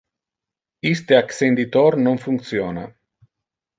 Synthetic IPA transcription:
ist̪eaksend̪it̪ornumfuŋk̚t̪siona

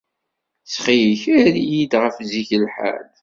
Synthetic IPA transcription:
sχijəçæɾijid̪ʁəfziçəlħa̰l

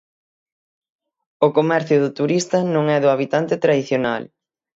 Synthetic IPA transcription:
ʊkomɛɾθjʊðʊt̪uɾist̪ɐnõŋɛðʊaβ̞it̪ant̪ɪt̪ɾaðiθjonal

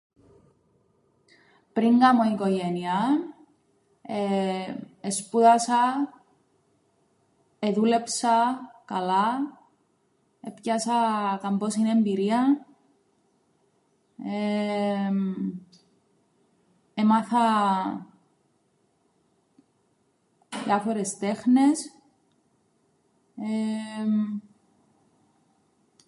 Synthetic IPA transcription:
pɾiŋɡɐmoikoʝeniɐ | e | espuðɐsɐ | eðule̞psɐkɐlɐ | epcɐsɐkɐmbosinembiɾiɐ | e | emɐθɐ | ðjɐfo̞ɾe̞st̪e̞xne̞s | e

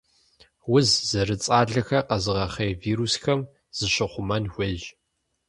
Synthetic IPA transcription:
wʊzzɐrɨt͡sʼaːɮɐxɐqɐzɨʁɐχejviːɾusxɐm | z̥ɨɕɪχʷʊmɐnxʷeʒ

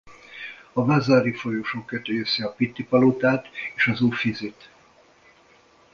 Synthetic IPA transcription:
ɒvazaːɾifo̞joʃoːkːøt̪øjøsɛɒpit̪ːipɒlot̪aːt̪eːʃɒzuːfizit̪

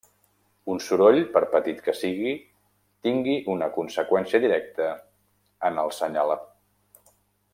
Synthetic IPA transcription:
unsuɾoʎpəɾpət̪it̪kəsiɣi | t̪iŋɡiʔunəkunsəkwɛnsiəðiɾɛk̚t̪əː | nəlˠsəɲalə

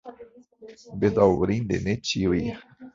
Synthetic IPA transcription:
bed̪aɾind̪ḛnet͡ʃiwi

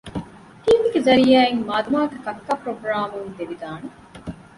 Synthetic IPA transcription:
t̪iːmiɡezɐɾijaːeŋmaːd̪umaːɡɐkɐkːapɾoɡɾaːmund̪eʋid̪aːne

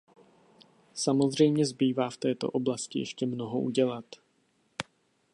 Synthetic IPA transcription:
samo̞zr̝ɛjmɲɛzbiːvaːft̪ɛːt̪o̞̰ʔo̞blascɪjɛ̰ʃcɛmno̞ɦoʔṵɟɛlat̪

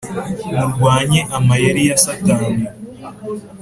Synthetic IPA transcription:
muɾɡwaːɲeʔamajeɾijasataːni

